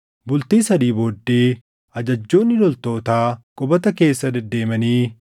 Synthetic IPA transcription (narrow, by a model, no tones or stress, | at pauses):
bʊlt̪iːsɐd̪iːboːd̪ːeː | ɐd͡ʒɐd͡ʒːo̞ːnːɪlɔlt̪o̞ːt̪aːkʼɔbɐt̪ɐke̞ːsːɐd̪ɛd̪ːe̞ːmɐniː